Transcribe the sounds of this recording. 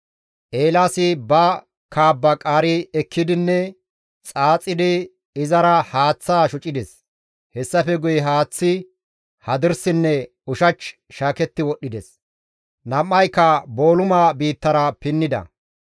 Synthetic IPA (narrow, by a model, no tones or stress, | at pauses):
ʔeːlaːsɪbɐ | kaːbːɐkʼaːɾɪɛkʰːɪd̪ɪnːɛ | t͡sʼaːt͡sʼːɪd̪ɪ | ɪzɐɾɐhaːt͡sːaːʃʊt͡ʃʼɪd̪ɛs | hɛsːɐfɛɡʊjɦaːt͡sːɪ | hɐd̪ɪɾsɪnːɛ | ʊʃɐt͡ʃ | ʃaːkɛt̪ːɪwɔɗːɪd̪ɛs | nɐmːɐjkːɐbo̞ːlʊmaːbiːt̪ːɐɾɐpɪnːɪd̪ɐ̰